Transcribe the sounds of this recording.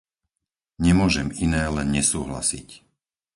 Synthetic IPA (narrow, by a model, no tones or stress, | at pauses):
ɲɛmʊɔʒɛminɛːlɛnɲɛsuːɦla̰sḭc